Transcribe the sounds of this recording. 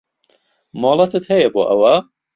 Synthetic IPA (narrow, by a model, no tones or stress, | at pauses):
moːlˠɐt̪ʰɨt̪hɐjɐbo̰ːʔɐwɐ